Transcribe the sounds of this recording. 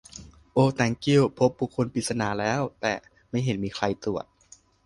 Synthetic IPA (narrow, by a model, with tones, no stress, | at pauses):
ʔoː˧t̪ɛː˧ŋki˥˩wpʰo˦˥p̚buː˧˩kʰːo˧npi˨˩t̪̚sa˧naː˨˩˦lɛː˦˥wt̪ɛ̰ː˨˩ | ma˥˩jɦe˩˦nmiː˧kʰla˧jt̪u˨˩ət̪̚